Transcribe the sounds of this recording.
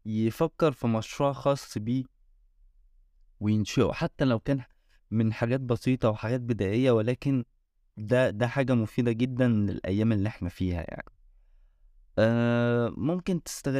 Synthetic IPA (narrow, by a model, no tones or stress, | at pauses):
jefækːeɾˤfimɑʃɾuːʕɑxɑːsˤːbiː | wejenʃeʔħat̪ːælæwkæːn | menħaɡæːt̪̚bɑsˤiːt̪ˤɑweħaɡæːt̪̚bed̪æːʔejːæwelæːken | d̪æd̪æħaːɡæmofiːd̪æɡed̪ːænlḛlʔæ̰jːæːmelːiʔeħnæfiːhæ̰ja̰ʕni | ʔæːmomkent̪e̥st̪æɣ